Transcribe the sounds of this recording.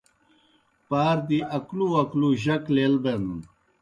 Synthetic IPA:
paːɾd̪iʔɐkluɐkluʑɐklelbenun

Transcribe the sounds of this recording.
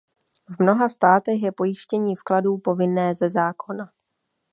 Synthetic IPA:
vmno̞ɦast̪aːt̪ɛxjɛpo̞jɪʃcɛɲiːfkladuːpo̞vɪnɛːzɛzaːkʰo̞na

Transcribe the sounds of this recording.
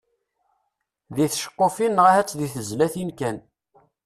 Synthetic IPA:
ðiθʃə̥qːofinʁəhæt͡sːðiθəzlæθinkæn

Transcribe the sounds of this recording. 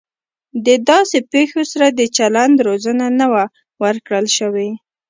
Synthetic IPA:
d̪əd̪ɑsepexosaɾad̪ət͡ʃaland̪ɾozənanawa | wəɾkɽəlʃəwe

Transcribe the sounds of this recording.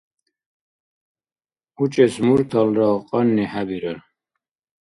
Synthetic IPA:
ut͡ʃʼɛsmuɾt̪ʰɔlɾaqʼɑnːiħabiɾəɾ

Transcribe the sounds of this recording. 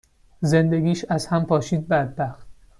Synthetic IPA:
ze̞nd̪e̞ɡʲiːʃæzhæmpʰɒːʃiːd̪̚bæd̪̚bæxt̪

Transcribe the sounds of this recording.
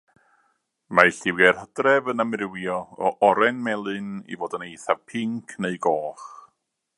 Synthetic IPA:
majɬɪwɛrhədrɛvənamrɪwjɔɔʔɔɾɛnmɛlˠɨnḭvoːdənejθav̥pʰɪŋkʰneɨɡɔːχ

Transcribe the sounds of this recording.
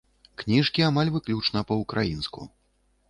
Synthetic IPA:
knʲiʂkʲiamalʲvɨklʲut͡ʂnɐpɐukɾʔajinskṵ

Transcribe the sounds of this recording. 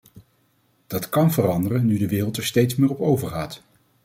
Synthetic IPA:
d̥ɑtkɑnvərɑndərənːydəʋɪːrəlˠtɛɹstejtsmɪːɹɔpowvəɹχaːt

